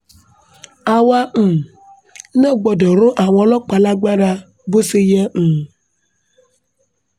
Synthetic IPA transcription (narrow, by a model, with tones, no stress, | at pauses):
a˨wa˦m̩˨ | ne˦˨ɡ͡bɔ˨de˨ɾo˦ʔa˨wɔ˦lɔ˦k͡pa˨la˦ɡ͡ba˦ɖa˦ | bo˦se˦je˦˨